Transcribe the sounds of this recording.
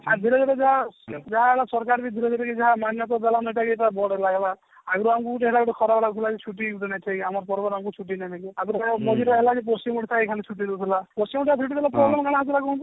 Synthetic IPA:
ad̪ʱiɾɔd̪ɔɾed͡ʒaad͡ʒaɦaeɭasɔɾkaɾkid̪ʱiɾɔd͡ʒ̪eɾekid͡ʒaɦamanjɔt̪̬ɔd̪alanɔiʈakieʈabɔɽɔlaɡlaː | ɡɾuamkuʈeɦeɽakɔʈɔkʰɔɾabɽat̪ʰilaket͡ʃʰuʈiʈenajt̪ʰajamɔɾɔpɔɾbɔɾamkut͡ʃʰuʈ̬inanakiaɡɾmɔd͡ʒiɾɔɦelakep̬ɔst͡ʃimuʈit̪ʰaekʰalit͡ʃʰuʈid̪ewt̪ʰilapɔsimʈt̪ʰatt͡ʃʰuʈit̪ʰilapɾɔblemɔkaɽ̃ɦad͡ʒiɾakɔɦũnt̪i

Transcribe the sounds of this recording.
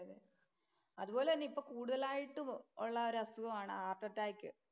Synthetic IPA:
ɐðɨ | ɐðuboːlenːipːo̞ːkuːɽuðɐlaːjiʈːumoɭːɐoɾɐst̪uɣɐmaːɳɨ̰aːrʈɐtːaːjkʲːɨ

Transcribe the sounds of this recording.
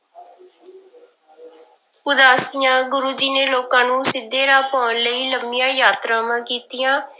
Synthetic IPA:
ʊd̪aːsɪjãːɡʊɾuːd͡ʒiːneːloːkãːnũːsɪd̪ːeːɾaːpɔːnləiːləmːɪjãːjaːt̪ɾãːmãːkiːt̪ɪjãː

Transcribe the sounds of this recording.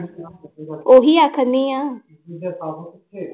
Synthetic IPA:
oːɦiːaːkʰənd̪iːãː

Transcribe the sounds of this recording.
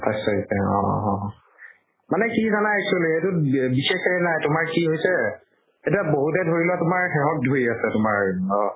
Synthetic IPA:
tʰajsɔɦisɛɔ̰̃ɦɔ̃ | manɛkizanaesʰolɦetʊbixexɛnajtʊmaɹkiɦojsɛ | etiaboɦutɛdʱoɹilowatʊmaɹxɛɦɔt̚dʱojasɛtʊmaɹɔ

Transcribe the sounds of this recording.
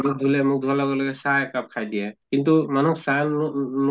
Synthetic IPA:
muk̚d̪ʱulɛmuk̚d̪ʱualaɡɔlɔɡɛsajakap̚kʰajd̪ijakint̪umanuksajnn

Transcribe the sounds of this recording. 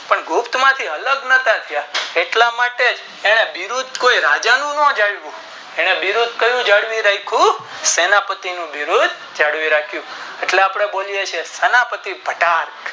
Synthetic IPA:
pəɳɡʱʊpt̪mãt̪ʰiələɡnət̪at̪ʰəjaeʈlamaʈed͡ʒ | eɽ̃ebiɾud̪koiɾad͡ʒanũnɔ̃d͡ʒaɽʋũ | eɽ̃ebiɾud̪̚kəjũd͡ʒaɽʋiɾaikʰũsenapət̪inũbiɾud̪ | d͡ʒaɽʋiɾakʰjũeʈleapɽ̃eboljet͡ʃʰesenapət̪ibʱəʈaɾk

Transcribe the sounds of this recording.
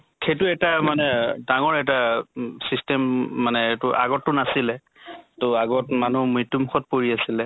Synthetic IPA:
kʰetʊɛtamanɛdaŋɔɹɛtasistɛmːanɛtʊʔa̰ɡɔtːʊnasilɛ | tʊaɡɔtmanumitːumuxɔt̚poɹiasilɛ

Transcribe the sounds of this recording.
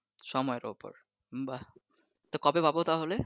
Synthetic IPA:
ʃɔmɔeɾo̰po̰ɾ | ba | t̪okɔbebabot̪aɦole

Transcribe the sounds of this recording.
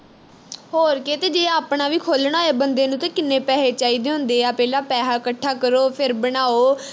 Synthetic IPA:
ɦoːɾkeːt̪eːd͡ʒeːaːpɳaːʋiːkʰoːlɳaːeːbənd̪eːnũːt̪ãːkɪnːeːpɛːɦeːt͡ʃaːiːd̪eːɦʊ̃nd̪eːaːpɛːlaːpɛːɦaːkəʈʰːaːkəɾoːpʰɪɾbəɽaːoː

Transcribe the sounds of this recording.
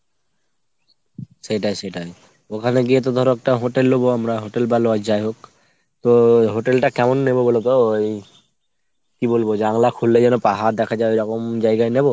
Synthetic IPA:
sejʈajseʈaj | okʰaneɡiet̪̬ɔd̪ʱɔɾɔɛk̚ʈaɦoʈelːoboamɾaɦoʈelbaload͡ʒajɦok | t̪ɔɦoʈelʈakɛmɔnːebobolet̪ooj | kibolbod͡ʒaŋlakʰulːed͡ʑɛnopaɦaɾd̪ɛkʰad͡ʒaejɾɔkɔmd͡ʒajɡajnebo

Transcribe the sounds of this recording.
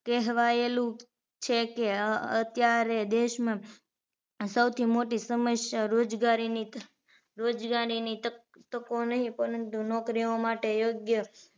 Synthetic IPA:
kɛɦʋaelũ | t͡ʃʰekeət̪jaɾed̪eʃmã | səwt̪ʰimoʈisəməsjaɾod͡ʒɡaɾini | ɾod͡ʒɡaɾiniə | t̪əkonəɦĩpəɾənt̪unɔkɾiomaʈejoɡjə

